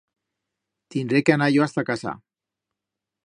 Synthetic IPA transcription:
t̪ind̪ɾekeanaʎoast̪akasa̰

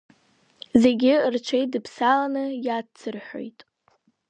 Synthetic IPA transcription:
ze̞ɡʲɪrt͡ʃʷʰejt̚dɨpʰsalanɨjat͡sʰɨrħʷo̰jtʼ

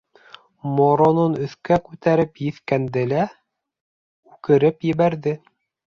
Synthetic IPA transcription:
moɾononɵ̆θkækʉt̪æɾɘpjɘ̆θkænd̪ɘlæ | ʉkɘ̆ɾɘpjɘ̆βæɾðɘ

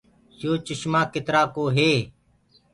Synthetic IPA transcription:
sjoːt͡ʃɪʃmaːkɪt̪ɾaːkoːɦeː

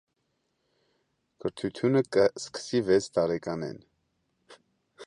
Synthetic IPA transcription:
kəɾt̪ʰut̪ʰjunəkəskə̥sivɛt͡sʰt̪ɑɾɛkɑnɛ̰n

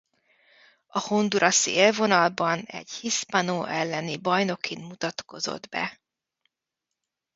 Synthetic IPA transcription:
ɒhond̪uɾʔɒselvo̞nɒlbɒnɛ̰ɟhispɒnoːʔɛlːɛnibɒjno̞kʰinmut̪ɒt̪ko̞zo̰d̪bɛ̰

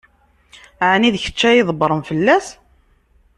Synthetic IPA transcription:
ʕniðçə̥t͡ʃːæjiðˤəbɾˤəmfəlːæs

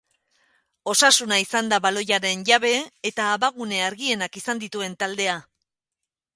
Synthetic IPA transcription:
o̞sasunaisand̪aβalo̞jaɾe̞nʝaβ̞e̞ːt̪aːβaɣune̞aɾɣie̞nakisand̪it̪ue̞nt̪ald̪e̞a

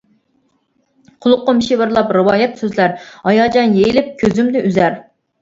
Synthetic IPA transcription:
qʰʊlˠʊqːʊmɪʃivɨɾlˠɑpɾɨwɑːjɛt̪søzlæɾhɑjɑːd͡ʒɑnjejilɪp̚kʲʰøzymd̪ɪʔyzæɾ

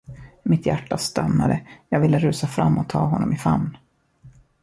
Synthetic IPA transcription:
mɪt̪jæʈːast̪anːad̪əjɑːɡvɪlːəɾʉ̟ːsafɾamːɔt̪ʰɑːɦɔnːɔmɪfamn

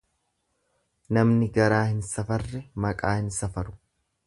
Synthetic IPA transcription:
nɐmnɪɡɐɾaːhɪnsɐfɐrːɛmɐkʼaːhɪnsɐfɐɾʊ̥

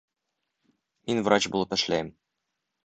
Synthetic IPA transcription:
minvrat͡ɕbṵlˠɤpɘ̆ʃlæjɘm

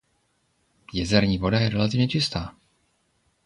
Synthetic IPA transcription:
jɛzɛɾɲiːvo̞dajɛɾɛlat̪̬ɪvɲɛt͡ʃɪst̪aː

